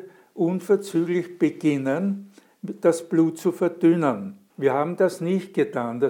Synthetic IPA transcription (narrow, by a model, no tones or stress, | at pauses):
ʔʊnfɛɐt͡syːɡlɪçb̥əɡ̥ɪnən | d̥asb̥luːtt͡sufɛɐd̥ʏnən | viːɐhaːbm̩d̥asnɪçt̚ɡ̥ətʰaːnd̥a